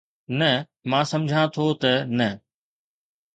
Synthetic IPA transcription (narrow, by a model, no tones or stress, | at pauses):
nɐ | mãːsɐmd͡ʑʱãt̪ʰot̪ɐnɐ